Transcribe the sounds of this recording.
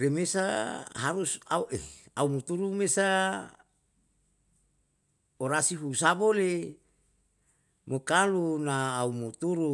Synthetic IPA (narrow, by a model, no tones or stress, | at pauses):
remesaɦaɾusauʔeaumut̪uɾumesa | oɾasiɦusabole | mokalunaːumut̪uɾu